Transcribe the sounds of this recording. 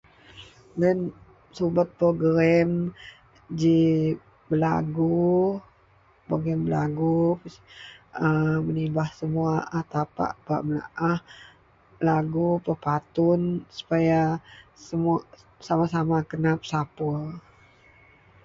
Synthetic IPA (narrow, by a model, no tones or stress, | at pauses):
dɛn | subat̪̚pɾoɡɾɛm | d͡ʒi | bəla̰ɡu | poɡɾɛmbəla̰ɡu | əmənibahsəmuaʔaht̪apa̰ʔb̥a̰ʔməla̰ʔah | laɡupəpat̪unsu̥pajasəm | samasamakənap̚sapu